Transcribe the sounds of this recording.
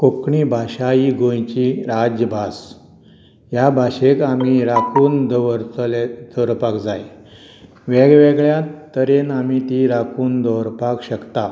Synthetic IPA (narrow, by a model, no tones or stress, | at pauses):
kokɳibʱaɕajiɡõjt͡ɕiɾad͡ʑjəbʱas | jabʱaɕekam̤iɾakʰuːnd̪ʱʋəɾt̪led̪̥ʱɔɾpakd͡zaj | ʋeɡʋeɡɭjat̪ːəɾenam̤it̪iɾakʰuːnd̪ʱɔɾpakɕəkt̪a